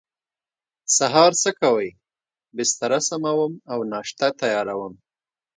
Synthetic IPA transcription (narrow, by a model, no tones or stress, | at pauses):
saɦɑɾsəkawəj | bɪst̪aɾasamawəmawnɑʃt̪at̪ajɑɾawəm